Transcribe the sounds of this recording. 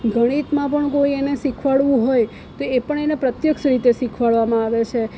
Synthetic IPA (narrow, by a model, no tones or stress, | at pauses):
ɡʱəɽ̃it̪mãpəɳkoienesikʰʋaɭʋũɦoj | t̪oepəɳenepɾət̪jəkʃɾit̪esikʰʋaɭʋamãaʋet͡ʃʰe